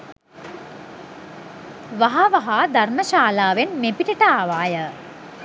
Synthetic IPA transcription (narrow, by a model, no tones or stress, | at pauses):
ʋaɦaʋaɦaːd̪arməʃaːlaːʋenmepiʈəʈəaːʋaːjə